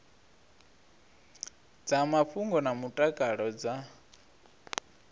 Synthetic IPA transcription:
d͡zamaɸuŋɡɔnamutʼakʼaɺɔd͡za

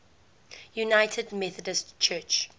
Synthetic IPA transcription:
junaɪtʰədmɛθədəstt͡ʃʰɜːt͡ʃ

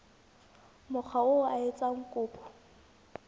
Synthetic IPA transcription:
mʊk͡xʰaʊaet͡sʼaŋ̩kʼʊːpʼɔ̥

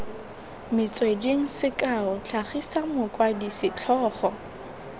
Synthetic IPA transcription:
mɪt͡sʼwediŋ̩sɪkʼaʊt͡ɬʰaχisamʊkʼwadisɪt͡ɬʰɔːχɔ

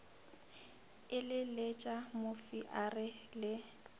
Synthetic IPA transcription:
ɪlɪlet͡ʃʼamofiʔarɪlɪ

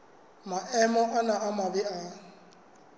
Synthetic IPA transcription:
maʔɛmɔʔanaʔamabɪa

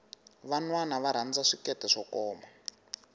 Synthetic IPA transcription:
βanwanaβaɾ̤and͡zaʂikɛtɛʂɔkɔːma

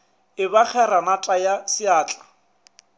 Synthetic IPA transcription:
ɪbak͡xʰɛɾanatʼajasɪaːt͡ɬʼḁ

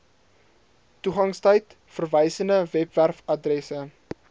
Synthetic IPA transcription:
tuχɐŋstœjt | fərvəjsəndəvɛpværfɐdrɛsə

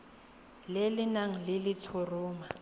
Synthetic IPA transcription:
lelɪnaŋ̩lɪlɪt͡sʰʊrʊːma

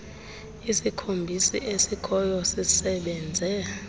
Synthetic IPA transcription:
isikʰombʱisḭʔesikʰɔjɔsisɛɓɛnd͡zʱɛ

